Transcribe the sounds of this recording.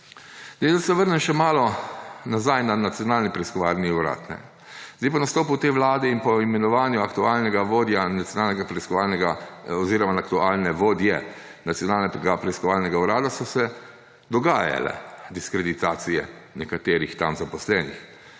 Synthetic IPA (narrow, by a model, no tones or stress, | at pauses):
d̪ed̪asɛʋəɾnɛnʃɛmaːlɔnazajnanat̪sjɔnaːlnipɾɛiskɔʋaːlniuɾa̰t̪nɛ̰ | zd̪ajpanast̪oːput̪eːʋlaːd̪ɛinpɔimɛnɔʋaːnjuakt̪uaːlnɛɡaʋoːd̪janat̪sʲjɔnaːlnɛɡapɾɛiskɔʋalnɛɡaɔziːɾɔmanakt̪uaːlnɛʋoːd̪jɛ | nat̪sjɔnaːlnɛɡapɾɛiskɔʋaːlnɛɡauɾaːd̪asɔsɛ | d̪ɔɡaːja̰lɛ̰d̪iskɾɛd̪it̪aːt̪sijɛ̰nɛkat̪eːɾixt̪amzapɔslɛnix